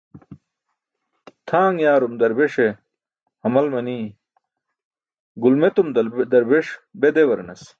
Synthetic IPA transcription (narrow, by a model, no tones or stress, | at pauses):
t̪ʰaːŋjaːɾumd̪ɐɾbeʂe | hɐmɐlmɐniː | ɡulmet̪umd̪d̪ɐɾbeʂbed̪ewɐɾnɐs